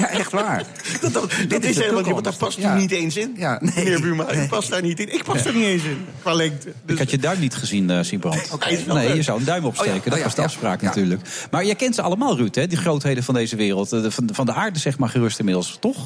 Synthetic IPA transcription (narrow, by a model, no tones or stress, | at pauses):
jaʔɛχtʋaːɹ | ddɔtɪsɛndapɑsnitejnsɪnjannɪːɹbymaɪpɑsdaːɹnitɪnɪk̚pɑsdaːɹnitejns̬ɪnkʋaːlɛŋtədkhɑtjədœɥmnitχəzinəsibrɑntkenejjəzawəndœɥmɔpsejkəndɔtɑzdəɑfspra̰ːknatyːɹləkmaːɹjəjkɛntsəɑləmaːlˠrytɦɛdəχrowtɦejdənvɑndejzəʋɪːrəlˠtnfɑndəaːɹdəz̥ɛχtmaːɹχərɵstɪnmɪdəlˠstɔχ